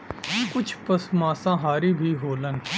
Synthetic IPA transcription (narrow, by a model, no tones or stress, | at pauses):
kʊt͡ʃʰpəsmãːsãɦaːɾibʱiɦoːlən